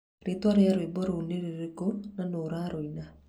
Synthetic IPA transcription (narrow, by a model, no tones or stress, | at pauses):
ɾeːtwaɾeaɾoibɔɾoːneɾeɾekonanoːɾaɾoina